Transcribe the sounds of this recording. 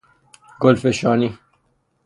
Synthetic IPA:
ɡɔlfeʃɑːni

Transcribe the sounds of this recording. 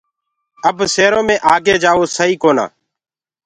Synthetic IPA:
əbseːɾõːmẽːʔaːɡeːd͡ʒaːʋoːsəɦiːkoːna̰ː

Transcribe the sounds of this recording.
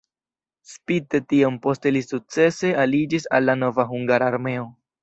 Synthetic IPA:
spite̞tiompo̞ste̞lisuk̚t͡se̞se̞alid͡ʒisa̰lːano̞vaɦuŋɡaɾaːɾme̞o̞

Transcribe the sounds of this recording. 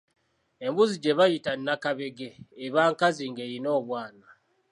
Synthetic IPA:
e̞mbuziɟe̞βajitanːakaβe̞ɡeːβaːŋkaziŋɡeɾino̞ːβwaːna

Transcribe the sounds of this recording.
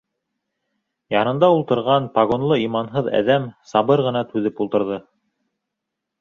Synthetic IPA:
jɑnɤ̆nd̪ɑulˠt̪ɤ̆ɾʁɑnpɑɣo̞nlˠɤimɑnɦɤðæ̰ðæmsɑβɤɾʁɤ̆nɑt̪ʉðɘpulˠt̪ɤ̆ɾðɤ

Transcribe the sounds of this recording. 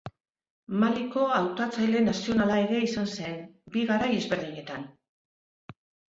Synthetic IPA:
maliko̞awt̪at͡sajle̞nasio̞nalaeɣe̞isanse̞nbiɣaɾaje̞zβe̞ɾðiɲe̞t̪an

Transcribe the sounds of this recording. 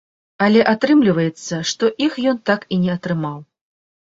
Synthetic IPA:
ɐlʲɛʔat̪ɾɨmlʲivɐjɛt̪sːɐʂt̪ɔʔixjɔnt̪akinʲɛɐt̪ɾɨmaw

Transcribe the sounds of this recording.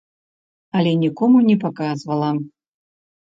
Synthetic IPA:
ɐlʲɛnʲikɔmunʲɛpakazvɐlˠɐ

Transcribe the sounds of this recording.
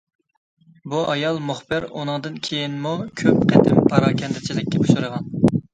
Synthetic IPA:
buɑjɑlˠmuχbɪɾṵnɨŋd̪ɨnkʲʰejinmukʲʰøp̚qʰɛt̪ɪmpʰɑɾɑːkʲʰɛnt̪ʰɪt͡ʃʰilɪkʲːɛbuʃuɾəʁɑn

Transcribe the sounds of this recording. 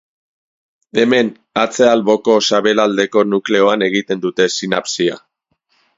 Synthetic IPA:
e̞me̞n | at͡se̞alβo̞ko̞saβe̞lald̪e̞ko̞nukle̞o̞ane̞ɣ̞it̪e̞nd̪ut̪e̞sina̰psia̰

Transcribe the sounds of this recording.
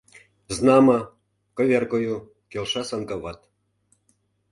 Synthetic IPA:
znɑmɑ | kɤ̆βʲerkoju | kelʃɑsɑnkɑβɑt̪

